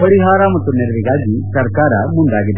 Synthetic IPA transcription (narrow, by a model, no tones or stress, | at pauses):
pɐɾiɦaːɾɐmɐt̪ːuneɾɐʋiɡaːɡisɐɾkaːɾɐmund̪aːɡid̪ːe